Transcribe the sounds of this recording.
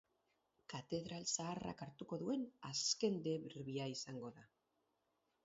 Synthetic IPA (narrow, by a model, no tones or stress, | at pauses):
kat̪e̞ðɾalsaːra̰kaɾt̪uko̞ðue̞naske̞nd̪e̞βiɾβiaisaŋɡo̞ða